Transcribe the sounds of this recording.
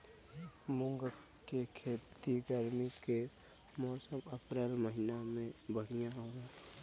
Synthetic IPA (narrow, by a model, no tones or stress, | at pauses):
mʊŋɡə | kekʰeːt̪iɡəɾmike | mɔːsəməpɾəlməɦɪnamẽbəɽijaɦoːɡa